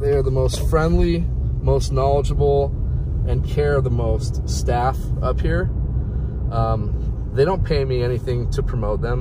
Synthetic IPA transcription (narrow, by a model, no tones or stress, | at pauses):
ðeɪə˞ðəmoʊstfɹɛ̃ndˡlimoʊstnɑlˠəd͡ʒəbl̩ˠ | ɨ̃nkʰɛɹðəmoʊststæfʌphiɹ | ðeɪɾõʊ̃npʰeɪmiɛniθɪ̃ŋtʰɨpʰɹ̥ɨmoʊt̪̚ðɨ̃m